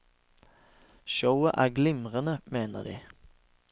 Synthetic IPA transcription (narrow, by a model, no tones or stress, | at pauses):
ʃəʊəʔæːʁɡlɪmʁənəmeːnə̰d̪ḭː